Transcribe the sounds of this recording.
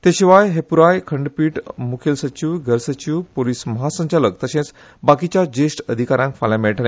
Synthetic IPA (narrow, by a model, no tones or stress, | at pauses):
t̪eɕiʋajɦepuɾajkʰəɳɖpiːʈmukʰelsət͡ɕiʋɡʱəɾsət͡ɕiʋpoliːsməɦasə̃ɲt͡ɕaləkt̪əɕẽt͡s | bakit͡ɕjad͡ʑesʈəd̪ʱikaɾãŋkfalãmeɭʈnã